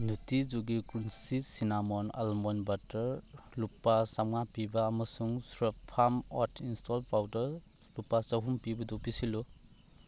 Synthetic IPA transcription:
nutid͡ʒuɡikɾunsisinamɔna̰lmɔnbatɐɾlupːasaŋapibɐːmɐsuŋsɾɔpʰamɔtʰinstʰɔlpawdɐɾ | lupːasɐɦumpibɐdupisilu

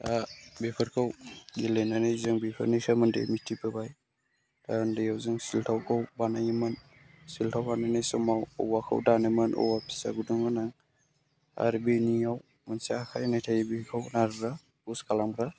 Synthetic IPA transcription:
abepʰɯɾkʰawɡelenanajzɯŋbepʰɯ̰ɾnijsamɯndḛmitʰːipɯbaj | d̥andɯjawzɯŋsiltʰawkʰawbanajimɯn | siltʰawbananajsɔmawɔ̰wakʰa̰wdanɯmɯnʔɔ̰wapʰi̥sa̰ɡuduŋɡɯnaŋ | a̰ɾbinijaw | mansakʰajnajtʰajibikʰawnaɾɾa | uskalamɾa

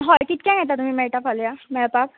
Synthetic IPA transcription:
ɦɔjkit̪̚kɛ̃ɡʱɛt̪at̪um̤iːmɛʈafʰaljamɛɭpak̚

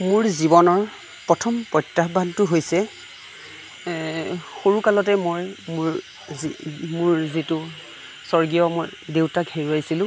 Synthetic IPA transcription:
mʊɹzibɔnɔɹ | pɹɔtʰɔmpɹɔjtːaɦbantʊɦojsɛ | xoɹukalɔtɛmojmɹ | imʊɹzitʊ | sɔɹɡijɔmojdewtaɡʱeɹuajsilʊ̃

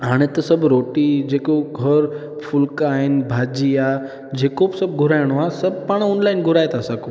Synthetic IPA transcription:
ɦaɽ̃et̪əsɐbɾoʈid͡ʑekoɡʱəɾ | fʰʊlkaɦenbʱad͡ʑia | d͡ʑekobsɐbɡʱʊɾajɽ̃oasɐb̚paɽ̃ɔːnlaɪnɡʱʊɾaːjet̪ʰaːsako

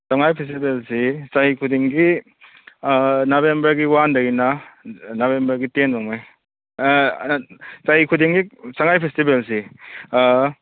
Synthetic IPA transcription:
saŋajpʰes̬tibelsisajikʰudiŋɡi | nobembɐɾɡiwandɐɡinanobembɐɾɡitenmaŋmaj | sajikʰudiŋɡisaŋajpʰestibelsi

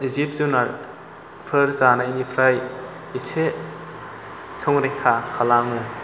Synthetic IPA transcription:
izip̚zunaɾ | pʰɯɾzanainipʰɾaj | ise | sʰɔŋɾekʰakʰalamɯ

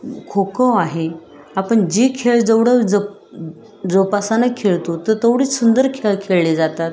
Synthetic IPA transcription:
kʰokəaɦe | apəɳd͡ʑikʰeɭd͡zəʋɽəd͡zə | d͡zopasanakʰːeɭt̪ot̪əɾt̪ʰoʋɽiːsund̪əɾkʰeɭkʰeɭled͡zat̪at̪

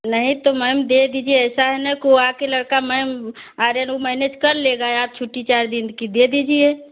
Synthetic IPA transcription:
nəɦĩt̪oməjmd̪ed̪iːd͡ʒieɛːsaɦɛnəkoakelɐɽkaməjm | aːɾenomɛnet͡ʃkəɾleɡaeaːt̚t͡ʃʰuʈːit͡ʃaːɾd̪inkid̪ed̪iːd͡ʒie

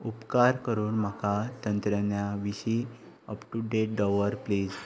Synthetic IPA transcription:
upkaɾkəɾuːnm̤akʰat̪ənt̪ɾənjaʋiɕi | əpʈuɖeʈ̚ɖɔʋəɾpliːd͡z

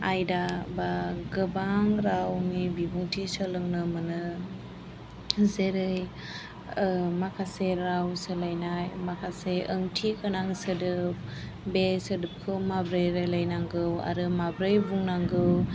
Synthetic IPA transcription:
ajdabaɡɯbaŋɾawnibibuŋtʰisəlɯŋnɯmanɯ | zeɾɯj | makʰaseɾawsɯlajnajmakʰaseɯŋtʰikʰɯnaŋsɯdɯp̚ | besɯdɯp̚kʰɯwmabɾɯjɾajlajnaŋɡɯwa̰ɾɯmabɾɯjbuŋnaŋɡɯw

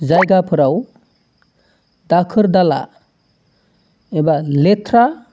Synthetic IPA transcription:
zajɡapʰɯɾaw | dakʰɯɾdala̰ | ebaletʰɾa

